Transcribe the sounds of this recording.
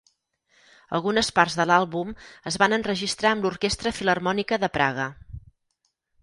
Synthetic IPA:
ə̰lˠɣunəspaɾzðəlalˠβuməzβanənrəʒist̪ɾaəmluɾkest̪ɾəfilərmɔnikəðəpɾa̰ɣ̞ə

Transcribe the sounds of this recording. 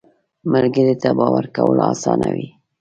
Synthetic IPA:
məlɡəɾet̪abɑwaɾkawəlɑsɑnawi

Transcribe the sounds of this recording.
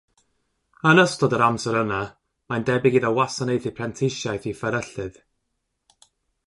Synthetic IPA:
ənəstɔdəɾamsɛɾəna | mandɛbɪɡiðəwasanejθipʰrɛntʰɪʃjajθifəɾəɬɨð

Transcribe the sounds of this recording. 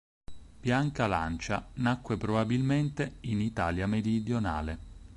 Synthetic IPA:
b̥jaŋkala̰nt͡ʃanakːwepɾobabilment̪einit̪aːljameɾid̪jona̰ːle

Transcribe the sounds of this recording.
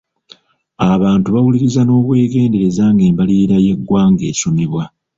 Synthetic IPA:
aβaːntuβawuliɾizano̞ːβwe̞ːɡe̞ːnde̞ɾe̞zaːŋɡe̞ːmbaliːɾaje̞ɡːwaːŋɡe̞̰ːsumiβwa

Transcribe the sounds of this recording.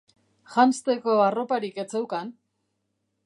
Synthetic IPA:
xanst̪eko̞aro̞paɾike̞t͡sewkan

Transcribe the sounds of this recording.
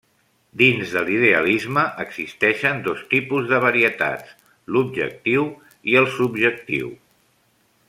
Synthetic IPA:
d̪inzðəliðeə̰lizməʔəɡz̥ist̪ɛʃənd̪ost̪ipuzðəβ̞əɾiət̪a̰ts | lub̚ʒə̰k̚t̪iw | iəlˠsubʒək̚t̪ḭw

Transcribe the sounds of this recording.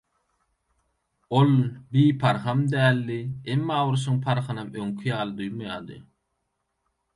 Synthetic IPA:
olbiːpʰɑɾχɑmd̪æːlːiemːaːwuɾs̬uŋpʰɑɾχɯnɑmøŋkʰijɑːlˠɯd̪ujmujɑːd̪ɯ̰

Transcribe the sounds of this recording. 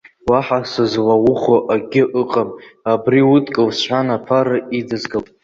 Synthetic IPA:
waħasɨzwawʊχoʔaɡʲɪʔɨqʼamabriʊtʼkʼɨlsʷħʷanapʰaɾɨidɨzɡal

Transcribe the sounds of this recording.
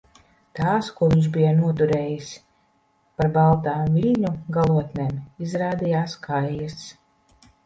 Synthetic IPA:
t̪aːskuɔvʲiɲsz̬bijanuɔt̪uɾeːjis | paɾbalˠt̪aːmvilʲɲuɡalˠuɔt̪nʲɛːmizɾaːd̪ijaːskʰajːas

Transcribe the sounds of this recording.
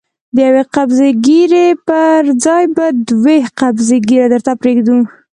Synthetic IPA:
d̪əjaweqabzeɡiɾepəɾd͡zɑjbad̪weqabzeɡiɾad̪əɾt̪apɾeɡd̪u

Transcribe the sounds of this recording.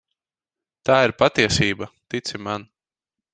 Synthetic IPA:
t̪aːiɾpat̪iɛsiːbat̪it̪sʲiman

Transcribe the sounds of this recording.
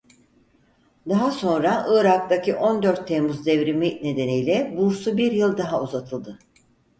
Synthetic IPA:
d̪aɦaso̞nɾaʔɯːɾak̚t̪acʰiʔo̞nd̪øɾt̪ʰːɛmuzd̪ɛvɾimine̞d̪e̞nijlʲɛbuɾsubiɾjɯlˠd̪aɦauzat̪ʰɯlˠd̪ɯ

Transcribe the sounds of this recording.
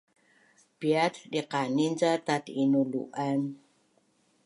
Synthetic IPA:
piatdiqaninzatatinulṵʔan

